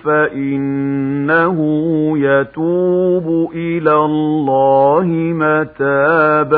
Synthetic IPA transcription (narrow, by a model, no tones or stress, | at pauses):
faʔɪnːaɦʊjat̪uːbʊʔɪlalːaːhɪmat̪aːb